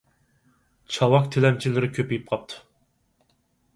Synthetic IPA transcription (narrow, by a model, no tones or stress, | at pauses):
t͡ʃʰɑwɑk̚t̪ʰelɛmt͡ʃʰilɪɾɪkʲʰøpejip̚qʰɑp̚t̪ʰu̥